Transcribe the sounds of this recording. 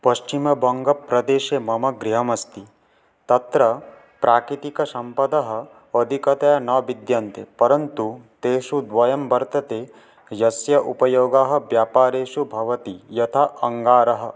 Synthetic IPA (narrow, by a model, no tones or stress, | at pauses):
pɐʃt͡ʃimɐbʱɐŋɡɐpɾɐd̪eːʃemɐmɐɡɾiɦɐmɐst̪i | t̪ɐt̪ɾɐ | pɾʔaːkɾit̪ikɐsɐmpɐd̪ɐɦɐ̆ | ɐd̪ʱikɐt̪ɐjɐnɐʋid̪jant̪ḛpɐɾɐnt̪ut̪eːʃud̪ʋɐjɐmbɐɾt̪ɐt̪eː | jɐsjɐʔupɐjoːɡaːɦɐ̆ʋjaːpaːɾeːʃubʱɐʋɐt̪ijɐt̪ʰaɐŋɡaːɾɐɦɐ̆